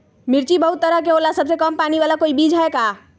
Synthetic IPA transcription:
mɪɾt͡ʃibəɦʊt̪ːəɾək̬eoːlasəbsekəmpaːniʋaːlakoːibiːd͡ʒʱɦaekaː

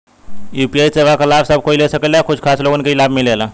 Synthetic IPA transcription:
jupiajseʋakəlafsəb̚koilesəkəljakʰud͡ʒʰkʰasloɡonkeilabmilela

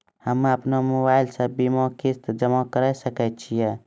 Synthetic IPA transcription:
həməpnamobaɪlsə̃bimɔkist̪d͡ʒəmakəɾəsəkət͡ʃʰijɛ

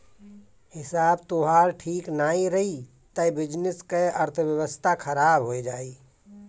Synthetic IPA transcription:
hɪsaːbt̪oɦaːɾʈʰiːknaːiɾɐɦi | t̪əbɪd͡ʒnɪskeʔɐɾt̪ʰəʋjəwəst̪ʰakʰɐɾaːbɦoːed͡ʒaːiː

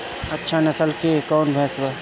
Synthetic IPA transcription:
ɐtːʃʰanɐsəlkekɔːnbʱɛːsbə

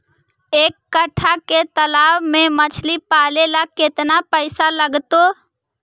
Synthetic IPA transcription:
eːkːəʈʰaket̪əlaːwmẽmət͡ʃʰlipaːlelaket̪napəɪsaləɡt̪o

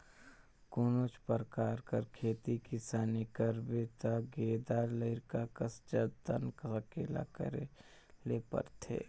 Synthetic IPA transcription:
koːnoːt͡ʃpəɾkaːɾkəɾkʰeːt̪ikisaːnikəɾbet̪aɡeːd̪aːɾləɪɾkakəst͡ʃəd̪ə̰nkəkeːla̰kə̰ɾe | leːpə̰ɾt̪ʰḛː

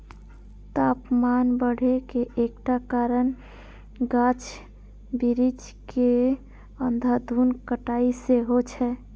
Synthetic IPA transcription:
t̪apmanbəɽ̤ʱekeʔːkʈakaɾən | ɡat͡ʃʰ | biɾit͡ʃ | ke | ənd̪ʱəd̪ʱunkəʈaiseɦot͡ʃʰɛ

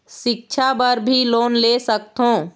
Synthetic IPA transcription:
ʃɪk̚t͡ʃʰabəɾbʱiloːnleːsək̚t̪ɦõː

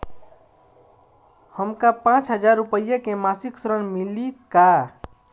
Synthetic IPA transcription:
həmkapãt͡ʃɦəd͡ʒaɾːupəjakemasiksɾənmilika

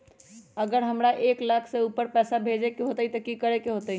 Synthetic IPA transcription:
əɡəɾɦəmɾaʔeklakʰseupəɾpɛːsabʱed͡ʒekeɦot̪əit̪əkikəɾekeɦot̪əi

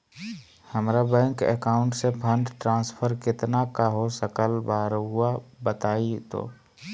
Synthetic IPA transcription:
həmɾabɛ̃ːŋkɛ̰kaːʊ̃ɳʈsepʰə̃ɳɖʈɾãːspʰəɾkɪt̪nakaɦosəkəlbaːɾɦʊabət̪aːit̪o̰ː

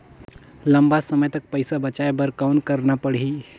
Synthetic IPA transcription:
ləmbasəməjt̪ək̚pəjsabət͡ʃajebəɾkawnkəɾnapəɽ̤i

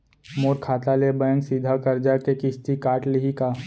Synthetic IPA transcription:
moːɾkʰaːt̪alebəjə̃ŋsiːd̪ʱakɐɾd͡ʒakekɪst̪ikaːʈlɪɦikaː

